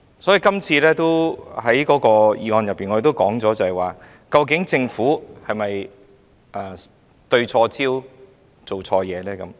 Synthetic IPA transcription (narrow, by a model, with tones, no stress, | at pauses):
sɔː˨˥ji˨˧kɐ˥mt͡sʰiː˧lɛː˥t̪o˥whɐ˨˦˥jkɔː˨˥kɔː˧jiː˨˧ŋɔː˧njɐ˨pːiː˨nɔ˨˧˥e˨˩t̪o˥wkɔː˨˥ŋt͡sɔː˨˥t͡sɐ˨hɐ˨˩jwaː˨ | kɐ˧wkɪ˨˥ŋt͡sɪ˧ŋfuː˨˥hɐ˨jmɐ˨j | ʔɐː˧˩ | t̪ɵ˧ɥt͡ʃʰɔː˧t͡sʰiː˥w | t͡so˨wt͡sʰɔː˧jɛː˨˧lɛː˥kɐ˨˦m